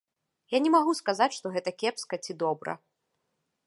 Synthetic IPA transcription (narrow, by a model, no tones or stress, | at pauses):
janʲɛmaɣuskazat͡sʲʂt̪ɔɣɛt̪ɐkʲɛpskɐt͡sʲid̪ɔbɾɐ̰